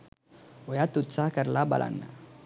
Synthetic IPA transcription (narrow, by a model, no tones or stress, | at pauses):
ojat̪utt͡sakaɾlaba̰lʔa̰nːa̰